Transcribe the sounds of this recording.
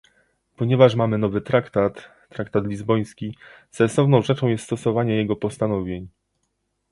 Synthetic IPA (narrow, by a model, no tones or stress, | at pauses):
pɔɲɛvaʂmamɘnɔvɘt̪ɾakt̪at̪ː | ɾakt̪at̪lʲizbɔj̃skʲi | sɛnsɔvn̪ɔ̃w̃ʐɛt͡ʂɔ̃w̃jɛst̪st̪ɔsɔvaɲɛjɛɡɔpɔst̪anɔvʲjeɲ